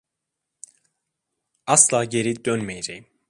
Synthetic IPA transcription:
ɑslˠɑːɟeɾid̪ønmejeɾejim

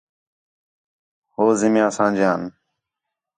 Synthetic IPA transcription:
hoːzɪmjãːsãːd͡ʒjãːn

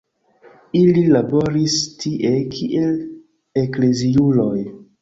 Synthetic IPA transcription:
ililabo̞ɾistʰiʔe̞kʰiʔel | ekle̞ziulo̞j

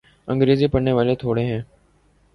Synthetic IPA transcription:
ə̃ŋɡɾeːziːpəneːʋaːleːt̪ʰoːɽẽːɦẽː

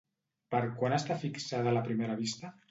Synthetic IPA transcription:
pəɾkwanast̪afiksaðalapɾimeɾaβ̞ist̪a

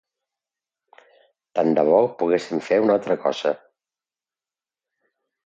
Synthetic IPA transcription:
t̪and̪əβɔpuɣesimfeunalˠt̪ɾəkɔ̰z̥ə

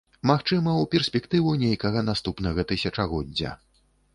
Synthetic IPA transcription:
maxt͡ʂɨmɐwpʲɛrsʲpʲɛkt̪ɨvunʲejkɐɣɐnast̪upnɐɣɐt̪ɨsʲɐt͡ʂɐɣɔdʲd͡zʲːɐ̰

